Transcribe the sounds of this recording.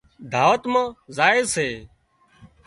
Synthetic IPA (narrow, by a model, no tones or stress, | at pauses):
d̪ʱaːʋət̪mãːzaːɪːseː